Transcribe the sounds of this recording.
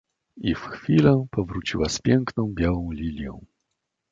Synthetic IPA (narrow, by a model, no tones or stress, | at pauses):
ifxfʲilɛpɔvɾut͡ɕiwaspʲjɛŋknɔ̃w̃bʲjawɔ̃w̃lʲilʲjɔ̰̃w̃